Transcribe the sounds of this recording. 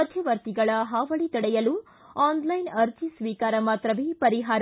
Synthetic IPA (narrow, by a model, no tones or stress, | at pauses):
ɐd̪ʱjɐʋɐɾt̪iɡɐɭɐɦaːʋɐɭit̪ɐɽɛjɐlu | aːnlɐjnɐɾt̪ʰisʋiːkaːɾɐmaːt̪ɾɐʋeːpɐɾiɦaːɾɐ